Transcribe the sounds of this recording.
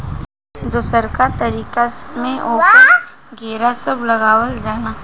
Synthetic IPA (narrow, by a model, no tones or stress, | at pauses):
d̪ʊsəɾkat̪ɐɾiːkamẽʔoːkɡeːɾasɐblɐɡaːwəld͡ʒaːnaː